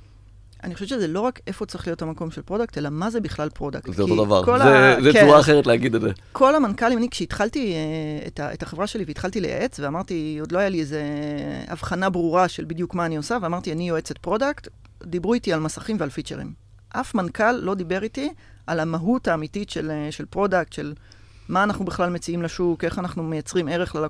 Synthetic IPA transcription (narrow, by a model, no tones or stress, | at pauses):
ʔa̰niχoʃevʃezelo̞ʁakefot͡sʁiχlio̞thamako̞mʃelpʁo̞dakte̞lamazebiχlalpʁo̞daktzeok̪odava̰ʁkolazezɛuaːχeʁetleaɡid̪edzekʰo̞lamankalimanikʃeitχaltieḛtaetaχevʁaʃe̞liveit̪χaltilḛja̰ʔe̞t͡sveamaʁtio̞d̪lo̞ajaliezea̰vχanabʁuʁaʃelbidjukmaːniosaveamaʁtianijo̞et͡setpʁo̞dakt | d̪ibʁuitialmasḁχimvealfit͡ʃe̞ʁḭm | ʔafmankalːo̞d̪ibe̞ʁiti | alamaɦutaːmititʃeleʃelpʁo̞dak̚tʃe̞l | maːnaχnubeχlalme̞t͡siimlaʃuke̞χanaχnume̞jat͡sʁime̞ʁeχlal